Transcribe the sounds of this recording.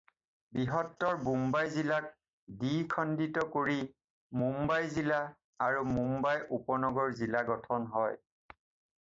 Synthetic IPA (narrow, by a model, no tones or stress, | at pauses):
biɦɔtːɔɹbumbajzilak̚ | dikʰɔnditɔkoɹi | mumbajzila | aɹumumbajʔupɔnɔɡɔɹzilaɡɔtʰɔnɦɔj